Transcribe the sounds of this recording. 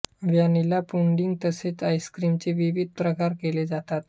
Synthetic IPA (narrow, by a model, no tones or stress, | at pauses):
ʋjanilapuɳɖiŋɡ̚t̪əset͡sajskɾimt͡seʋiʋid̪̚ʱpɾəkaɾkeled͡zat̪at̪